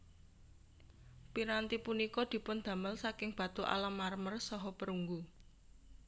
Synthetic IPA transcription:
piɾant̪ipunikɔd̪̥i̤pʊnd̪̥ä̤məlsakɪŋb̥a̤t̪uʔa̰lamːarmərsɔɦɔpəɾuŋɡu

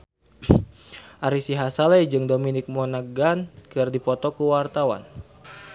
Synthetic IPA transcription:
ʔaɾisiɦasalɛd͡ʒɨŋdominɪk̚mɔnaɡankɨrdipɔt̪ɔkuwart̪awa̰n

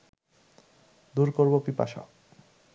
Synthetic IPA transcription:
d̪uɾkoɾbopipa̰ʃa̰

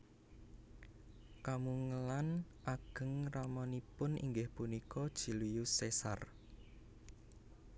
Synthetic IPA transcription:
kamuŋəlanʔaɡ̥ə̤ŋramɔnipʊnḭŋɡɪhpunikɔd̥ʒ̥i̤lijusesa̰r

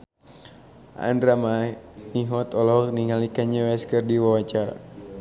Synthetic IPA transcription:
a̰ndɾamaniɦɔt̪ɔlɔkniŋalikaɲawɛskərdiwawat͡ʃaɾa̰

